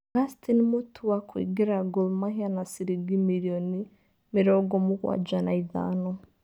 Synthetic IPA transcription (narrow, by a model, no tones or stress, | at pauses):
ɡastʰinimutʰuwakwḭɡiɾaɡulmahianasiɾiɡimiɾiɔni | miɾɔɡɔmukwa̰d͡ʒanaiða̰ːnɔ